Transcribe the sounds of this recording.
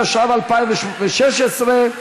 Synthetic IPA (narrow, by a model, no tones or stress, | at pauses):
ʃavalpaɪ̃mvɪʃvɪʃɛʃɛsɾe